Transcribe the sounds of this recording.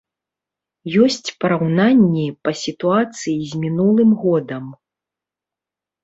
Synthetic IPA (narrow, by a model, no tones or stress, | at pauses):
jɔsʲt͡sʲpɐɾawnanʲːipɐsʲit̪uat̪sɨjizʲmʲinulˠɨmɣɔd̪ɐm